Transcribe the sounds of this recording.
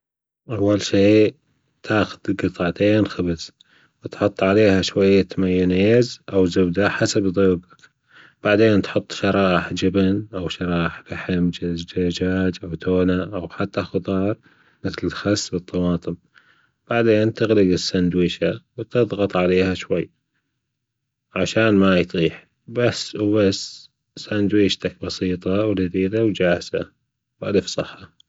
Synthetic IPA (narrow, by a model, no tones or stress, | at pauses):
ʔawːalʃiː | t̪ʰaːxʊ̥d̪̥ɡɨt̪ˤɑʕt̪eːnxabɪz̥ | wɪt̪ħʊt̪ˤːʕaleːhaʃwajːat̪amajːʊneːzʔawzʊbd̪aħasabðˤuːbḁk | b̥aʕd̪eːnt̪ħʊt̪ˤːʃɑɾˤɑːʔɪħd͡ʒɪbnʔawʃɑɾˤɑːʔɪħb̥ɪħɪmd͡ʒd͡ʒad͡ʒaːd͡ʒʔawt̪ʰoːnaʔawħat̪ːaxʊd̪ˤɑːɾˤ | mɪθlɪlxasːbɨt̪ˤːɑwɑːt̪ˤɨm | b̥aʕd̪eːnt̪ɪɣlɪɡɪsːand̪wiːʃawt̪ɨðˤɣɑt̪ˤʕaleːhaʃwajː | ʕaʃaːnmajt̪ˤiːħ | basːwbasː | sand̪wiːʃt̪ak̚bɑsiːt̪ˤɑwd͡ʒad̪iːd̪awd͡ʒaːhz̥a | wʔad̪əfsˤɑħːa